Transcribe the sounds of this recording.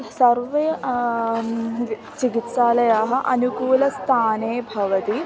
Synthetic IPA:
sɐɾʋɐ | t͡ʃikit̪saːlɐjaːɦɐ̆ʔɐnukuːlɐst̪ʰaːneːbʱɐʋɐt̪i

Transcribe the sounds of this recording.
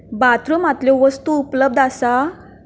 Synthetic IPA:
bat̪ɾumat̪ljɔʋəst̪uːpləb̚d̪asa

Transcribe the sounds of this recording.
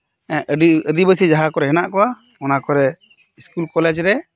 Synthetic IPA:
ɛʔəɖiədibəsid͡ʒaɦakɔɾɛɦɛnaʔkɔwa | ɔnakɔɾɛ | iskulkɔlɛd͡ʒɾɛ

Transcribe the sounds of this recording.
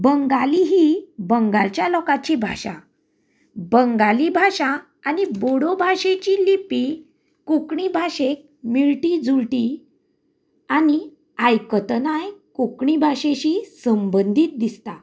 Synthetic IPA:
bəŋɡaliɦibəŋɡalt͡ɕjalɔkat͡ɕibʱa̰ɕa̰ | bəŋɡalibʱaɕa | aniboɽobʱaɕet͡ɕilipi | kukɳibʱaɕek̚ | miɭʈid͡zuɭʈi | ani | ajkət̪najkukɳibʱaɕeɕisəmbənd̪ʱiːt̪̚d̪ist̪a

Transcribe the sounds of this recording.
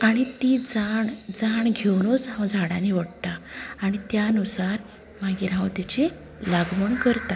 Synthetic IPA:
aɽ̃it̪id͡zaɳd͡zaɳɡʱewnot͡sɦãwd͡zʱaɽaniʋəɽt̪aːɽ̃it̪janusaɾ | maɡiːɾɦãwt̪jat͡ɕe | laɡməɳkəɾt̪a

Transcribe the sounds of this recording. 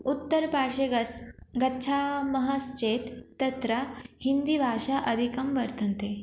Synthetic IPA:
ut̪ːəɾpaɾʂeɡɡɐtːɕʰamɐɦast͡ɕet̪ːɐt̪ɾɐhind̪ibʱaʂaʔɐd̪ʱikɐmʋɐɾt̪ʰɐnt̪e

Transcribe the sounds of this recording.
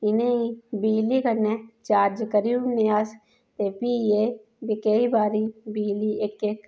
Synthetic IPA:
ɪneibiːlikɐnet͡ʃaːɾd͡ʒkəɾiuneaːs | t̪epiːe | bikeibaːɾibiːliekek

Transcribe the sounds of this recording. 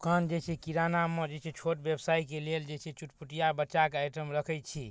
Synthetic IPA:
kʰand͡ʒet͡ʃʰɛkiɾanamed͡ʒet͡ʃʰɛt͡ʃʰoʈbebsaikeleld͡ʒet͡ʃʰɛt͡ʃuʈpuʈijabətːt͡ʃʃakeajʈəmɾəkʰət͡ʃʰi

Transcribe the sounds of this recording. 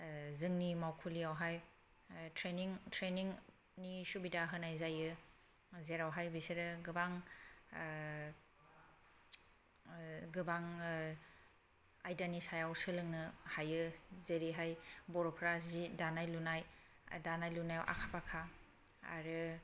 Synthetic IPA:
zɯŋnimawkʰuliawɦaj | tʰɾeniŋtʰɾeniŋ | nisubidaɦɯnajzajɯ | zeɾawɦajbiseɾɯɡɯbaŋ | ɡɯbaŋ | ajdanisajawsɯlɯŋnɯhajɯzeɾiɦajbɔɾɔpʰɾazidanajlunaj | danajlunajawʔa̰kʰapakʰa̰ː | ɾɯ

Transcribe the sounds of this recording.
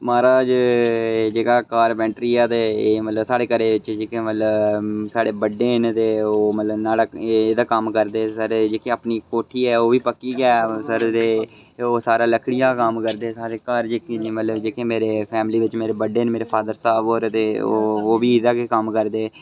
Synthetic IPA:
maːɾaːd͡ʒ | d͡ʒeːkaːkaːɾbɛ̃ːɳʈɾiːɛːt̪eːeːmət̪ləbsaːɽeːkəɾeːʋɪt͡ʃd͡ʒeːkʰẽːmət̪ləbsaːɽeːbəɖeːnt̪eːoːmət̪ləbnaːlaːeːd̪aːkəmkəɾd̪eːsəɾːd͡ʒeːkʰẽːapniːkoːʈʰiːɛːoːʋiːpəkːiːɡɛːsəɾt̪eː | oːsaːɾãːləkʰɽɪjãːkəmkəɾd̪eːsaːɾeːkəːɾd͡ʒeːkẽd͡ʒiːmət̪ləbd͡ʒeːkʰẽːmeːɾeːpʰɛːmliːʋɪt͡ʃmeːɾeːbəɖeːnmeːɾeːpʰaːd̪əɾsaːboːɾt̪eːoːoːʋiːɪd̪aːkekəmkəɾd̪eː

